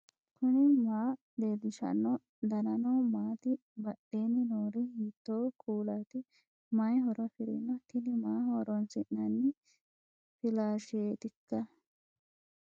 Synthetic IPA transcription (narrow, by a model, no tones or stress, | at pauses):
kʰunimaː | d̪eːd̪iʃɐ̰nːo | d̪ɐnɐnoːmaːt̪i | bɐɗeːninoːɾihiːt̪ːoːkʰuːlaːt̪i | mɐjɦɔɾɐfiɾḭnot̪inimaːɦoːɾonsiʔnɐnːi | filaːʃieːt̪ikːɐ